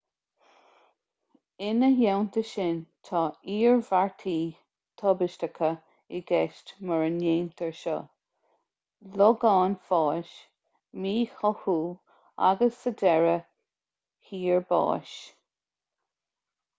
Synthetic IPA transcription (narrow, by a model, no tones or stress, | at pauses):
ɪnəjɛwnt̪əʃɪnt̪ʰɑːiːɹvaɹt̪ʰiː | t̪ʰɔbɪʃtəkʰə | ɪɡɛʃtməɹənjeːnt̪ʰəɹʃɔ̰ | lɔɡɑːnfɑːʃ | miːhɔhuː | a̰ɡəsːəd̪ɛɹə | hiːɹbɑ̰ːʃ